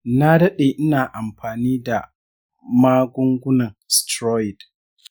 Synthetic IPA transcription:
na˦dɐ˦ɗeː˨ʔɪ˦naː˨ʔa˨mɸaː˨niː˦da˨ | maː˦ɡʷʊ˦ŋɡʷʊ˦nɐ˨ŋstɾɔː˦ɪ˨d

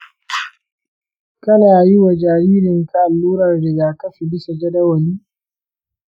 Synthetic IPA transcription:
kɐ˦naː˨ji˦wa˨d͡ʒaː˨ɾiː˦ɾɪ˨ŋka˦˨lːuː˦ɾɐ˨rda˨ɡaː˨kɐ˦ɸi˨bɪ˦sa˨d͡ʒɐ˦dɐ˦wɐ˨niː˦

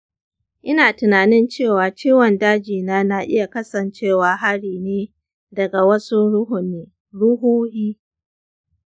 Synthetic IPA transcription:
ʔɪ˦naː˨tɪ˨naː˨nɪ˦nt͡ʃeː˦˨waː˨t͡ʃiː˦wɐ˨ndaː˦d͡ʒiː˨naː˦na˨ʔɪ˦ja˨kɐ˦sɐ˨nt͡ʃeː˦˨waː˨ɦa˦ɽiː˨neː˦ | dɐ˨ɡa˨wɐ˦su˦ɽʊ˦ɦʊ˨nːeː˦ | ɽʊ˦huː˦hiː˦

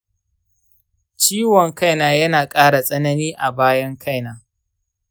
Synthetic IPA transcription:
t͡ʃiː˦wɔ˨ŋka˦jnaː˨jɐ˦naː˨kʼaː˦ɽa˨sʼɐ˦nɐ˦niː˦ʔa˨baː˦jɐ˦ŋkʰa˦jnaː˨˦

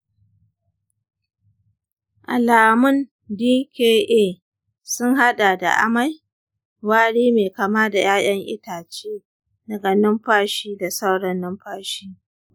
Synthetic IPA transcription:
ʔa˨laː˨mʊ˦n | diː˦keː˦ʔeː˦˨ | sʊ˦ŋɦa˦ɗa˨da̰˨ʔa̰˦ma˦j | waː˦ɽiː˦meː˨kaː˨maː˦da˨jaː˦ʔʲɐ˦ŋʔɪ̰˦taː˨t͡ʃeː˦ | dɐ˨ɡɐ˨nɪ˦mɸaː˦ʃiː˦da˨sa˦wɽɐ˦nːʊ˦mɸaː˦ʃiː˦

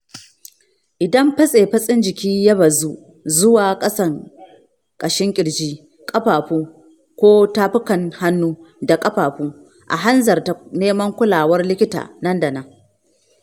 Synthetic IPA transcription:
ʔɪ˨dɐ˦mɸɐ˦sʼeː˨ɸɐ˦sʼɪ˦nd͡ʒɪ˨kʲiː˦jɐ˦bɐ˨zu˦ | zʊ˦waː˨kʼɐ˦sɐ˨ŋ | kʼɐ˨ʃɪ˦ŋkʲʼɪ˨ɽd͡ʒiː˦ | kʼɐ˦ɸaː˨ɸuː˦ | kʷoː˦taː˦ɸɪ˦kɐ˨ŋha˦nːuː˦da˨kʼɐ˦ɸaː˨ɸuː˦ | ʔa̰˨ɦa˦nzɐ˨rta˨neː˦mɐ˦ŋkʷʊ˦laː˨wɐ˦rlɪ˦kʲɪ˦ta̰ː˨nɐ˦ndɐ˨nɐ˨ŋ

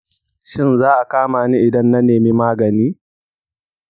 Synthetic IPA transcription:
ʃɪ˦nzaː˦ʔa˨kaː˦maː˨ni˦ʔɪ˨dɐ˦nːɐ˦neː˨miː˦maː˦ɡɐ˨niː˦

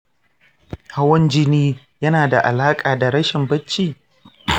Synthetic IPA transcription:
ha˦wɐ˦nd͡ʒɪ˦niː˦ | jɐ˦naː˨da˨ʔa̰˨laː˦kʼaː˨da˨ɽɐ˦ʃɪ˨mbɐ˦t͡ʃːiː˦˨

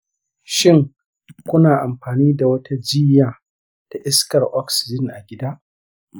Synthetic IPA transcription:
ʃɪ˦ŋ | kʷʊ˦naː˨ʔa˨mɸaː˨niː˦da˨wɐ˦tʰa˦d͡ʒi˦jaː˨ | d̥a˨ʔɪ˦skɐ˨rʔɔ˦ksɪ̥˨d͡ʒɪ˦nʔa˨ɡʲɪ˦daː˦ʔ

